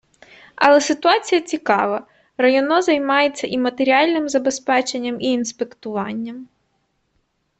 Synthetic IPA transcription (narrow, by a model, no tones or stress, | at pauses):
ɐ̰lˠɛsɪt̪ʊat͡sʲijɐt͡sʲikɑʋɐ | rɐjɔnɔzɐjmɑjet͡sʲːɐʔimɐt̪eɾʲialʲnɪmzɐbɛspɛt͡ʃenʲːɐmiːnspekt̪ʊʋɑnʲːɐm